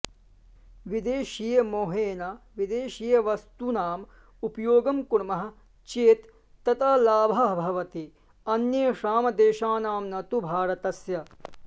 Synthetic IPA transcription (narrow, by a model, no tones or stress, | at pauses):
ʋid̪eːʃiːjɐmoːɦeːnɐʋid̪eːʃiːjɐʋɐst̪unaːm | upɐjoːɡɐmkuɳmɐɦɐ̆ | t͡ʃeːt̪ː | ɐt̪aːlaːbʱɐɦbʱɐʋɐt̪i | ɐnjeːʃaːmɐd̪eːʃaːnaːmnɐt̪ubʱaːɾɐt̪ɐsjɐ